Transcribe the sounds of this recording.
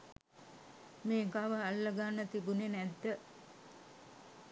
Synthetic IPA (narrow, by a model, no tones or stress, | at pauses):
meːɡaʋəalːəɡanːət̪ibunenæd̪ːə